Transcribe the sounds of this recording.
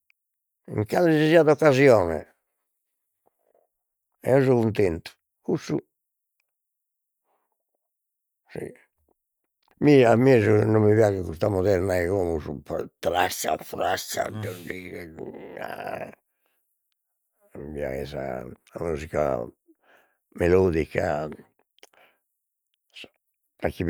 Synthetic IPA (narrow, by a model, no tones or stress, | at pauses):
ḭŋkaleziziad̪ɔkːazjɔːnɛ̰ | ɛ̰ɔzuɣunt̪ent̪u̥ | usːu | sḭ | miamːɛzunumːivjaɣɛkust̪amɔðɛɾnaɛɣomuzupt̪ɾasta̰fɾasa̰dəɖi | a̰ | mibja̰ɣɛza̰muzika̰ | melɔːd̪ikːa̰ | akːi